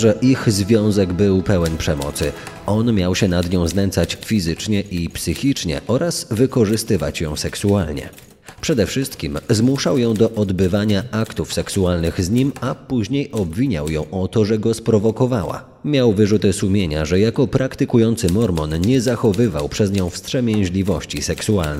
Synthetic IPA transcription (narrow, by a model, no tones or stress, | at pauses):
ʐɛʔiɣzvʲjɔ̃w̃zɛɡbɘwpɛwɛnpʂɛmɔ̰t̪sɘ | ɔnmʲjawɕɛnad̪ɲɔ̃w̃znɛnsat͡ɕfʲizɘt͡ʂɲɛʔipsɘxʲit͡ʂɲɛ̰ʔɔɾʔazvɘkɔʐɘst̪ɘva̰t͡ɕjɔ̃w̃sɛksualɲɛ̰ | pʂɛd̪ɛfʂɘst̪kʲimzmuʂawjɔ̃w̃d̪ɔʔɔd̪bɘvaɲaakt̪ufsɛksualnɘɣzɲimapuʑɲejɔbvʲiɲa̰wjɔ̰̃w̃ʔɔt̪ɔʐɛɡɔspɾɔvɔkɔvawa̰ | mʲjawvɘʐut̪ɘsumʲjeɲa̰ʐɛjakɔpɾakt̪ɘkujɔnt̪sɘmɔɾmɔnɲɛzaxɔvɘva̰wpʂɛzɲɔ̃w̃fst̪ʂɛmʲjɛw̃ʑlʲivɔɕt͡ɕisɛksua̰lnɛ